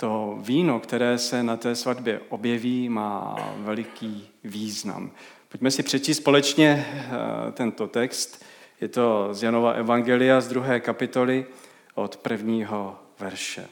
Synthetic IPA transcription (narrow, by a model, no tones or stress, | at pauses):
t̪o̞viːno̞kt̪ɛɾɛːsɛnat̪ɛːsvad̪bjɛʔo̞bjɛviːma̰ːvɛlɪkiː | viːzna̰m | pocmɛsɪpr̝̥ɛt͡ʃiːst̪spo̞lɛt͡ʃɲɛ | t̪ɛnt̪o̞t̪ɛkst̪jɛt̪o̞zjano̞vaʔɛvaŋɡɛlɪjazd̪ɾuɦɛːkapɪt̪o̞lɪ | ʔo̞t̪pr̩vɲiːɦo̞vɛɾʃɛ̰